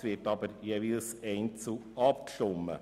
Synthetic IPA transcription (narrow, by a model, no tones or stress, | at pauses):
ʋɪɾtɑbəɾjeʋilsɛɪnt͡su | ɑp̚kʃomːə̰